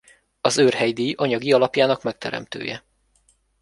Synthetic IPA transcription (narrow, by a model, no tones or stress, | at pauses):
ɒzøːrhɛjd̪iːjʔɒɲɒɡiɒlɒpjaːnɒkmɛk̚t̪ɛɾɛ̰mt̪ø̰ːjɛ